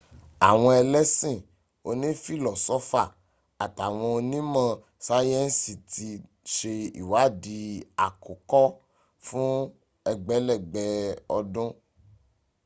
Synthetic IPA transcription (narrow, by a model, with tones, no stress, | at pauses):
a˨w̃ɔ̃˧ɛ˧lɛ˦sĩ˦˨ | o˧nĩ˦fi˦˨lɔ˨sɔ˦fa˦˨ | a˨ta˨w̃ɔ̃˧o˧nĩ˦mã˧ | sa˦jɛ˦n̩˦si˨ti˧ | ʃe˧ḭ˨wa˨˦˨di˧a˨ko˨kɔ˦ | fũ˦ | ɛ˧ɡ͡bɛ˨˦lɛ˦˨ɡ͡bɛ˨ɔ˧dũ˦